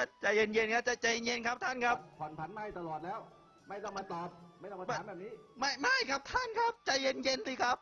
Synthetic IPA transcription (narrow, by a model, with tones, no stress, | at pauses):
a˥˩t͡ɕa˨˩je˧nje˧nkʰa˦˥p̚t͡ɕa˨˩t͡ɕa˨je˧nje˧nkʰa˦˥p̚t̪ʰa˥˩nkʰa˦˥pkʰa˨˩˦npʰa˨˦nma˧˥˩jt̪a˧lɔː˨˩t̪̚lɛː˦˥˩w | ma˥˩jt̪ɔ˥˩ma˧t̪aː˨˧p̚ma˥˩j̪ɔ˥˩m˧˩bbɛː˨˩p̚niː˦˥ma˥˩jma˥˩jkʰa˦˥p̚t̪ʰa˥˩nkʰa˦˥p̚t͡ɕa˨je˧nje˧nsiː˧˩kʰa˦˥p̚